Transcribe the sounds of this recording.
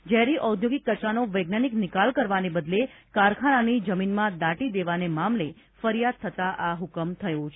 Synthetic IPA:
d͡ʒɛɾiʔəwd̪ʱjoɡikːət͡ʃanoʋəjɡnaniknɪkalkəɾʋanebəd̪lekaɾkʰananid͡ʒəminmãd̪aʈid̪eʋanemamle | fəɾijad̪̚t̪ʰət̪aʔaɦukəmt̪ʰəjot͡ʃʰ

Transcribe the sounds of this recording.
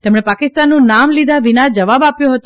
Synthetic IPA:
t̪ɛmɽepakɪst̪anːũnamlid̪ʱaʋinad͡ʒəʋabapjũɦət̪o

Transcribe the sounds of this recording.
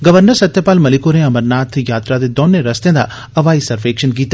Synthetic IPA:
ɡɐʋəɾnəɾsɐt̪jəpaːlmɐlɪkoɾẽɐməɾnaːt̪ʰjaːt̪ɾad̪ed̪oːneɾɐst̪ẽd̪a̰ | ɐʋaːisɐɾʋeːkʃənk̬iːt̪

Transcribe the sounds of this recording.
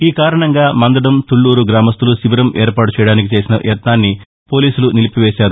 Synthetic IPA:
iːkaːɾɐɳɐŋɡaːmɐnd̪ɐɽɐmt̪uɭːuːɾuɡɾaːmɐst̪ulusiʋɐɾɐmʔeːɾpaːʈut͡ʃɛjɐɽaːnikit͡ʃe̞ːsinɐ̰ʔjɐt̪naːnːi | po̞ːliːsulunilipiʋeːʃaːɾu

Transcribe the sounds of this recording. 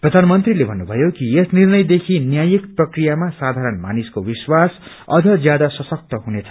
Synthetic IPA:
prʌd̪ʱanʌmʌnt̪rilebʱʌnːubʱʌjokiesnirnʌjd̪ekʰinjajikprʌkrijamasad̪ʱaɾʌnma̰niskobiswas | ʌ̰d͡zʱʌd͡zjad̪asʌsʌk̚t̪ʌɦunet͡sʰʌ̥

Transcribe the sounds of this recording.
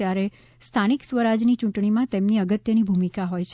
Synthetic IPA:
jaɾe | st̪ʰaniksʋəɾad͡ʒnit͡ʃũʈɳimãt̪emniəɡət̪jənibʱumikaɦojt͡ʃʰ

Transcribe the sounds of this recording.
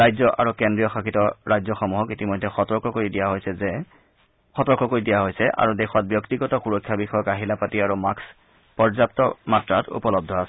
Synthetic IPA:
ɹajzɔʔa̰ɹukɛndɹijɔxakʰitɔɹajzɔxɔmuɦɔkitimɔjdʱːɛxɔtɔɹkɔkoɹidijaɦojsɛzɛ | xɔtɔɹkʰɔkoɹidijaɦojsɛʔa̰ɹudɛxɔt̚bjɔktiɡɔtɔxuɹɔkʰːjabixɔjɔkaɦilapatiaɹumaks | pɔɹzap̚tɔmatɹatʰṵpɔlɔb̚dʱɔasɛ

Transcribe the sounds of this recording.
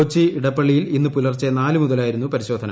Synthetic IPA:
t͡ɕːiiɽɐpːɐɭːijilinːɨpulɐrt͡ɕːenaːlɨmuðɐlaːjiɾunːupɐɾiɕo̞ːd̪ʱɐnɐ

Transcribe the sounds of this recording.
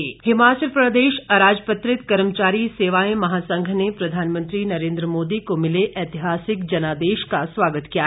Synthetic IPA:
eɦhɪmaːt͡ʃəlpɾəd̪eːʃɐɾaːd͡ʒpət̪ɾɪt̪kɐɾmt͡ʃaːɾiseːʋaẽmɐɦaːsə̃ŋɡʱnepɾɐd̪ʱaːnmə̃nt̪ɾinɐɾẽːnd̪ɾəmoːd̪ikomɪleʔɛːt̪ɪɦaːsɪkd͡ʒɐnaːd̪eːʃkasʋaːɡət̪kija

